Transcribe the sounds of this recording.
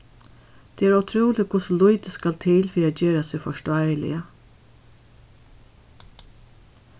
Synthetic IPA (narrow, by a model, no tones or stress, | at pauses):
t̪ʰɛæɾawt̪ʰɾuːlɪkʰʊsʊlʊjt̪əskalt̪ʰɪːlfiːɾat̪̚d͡ʒeːɾasɪfɔʂtajlɪ̰ə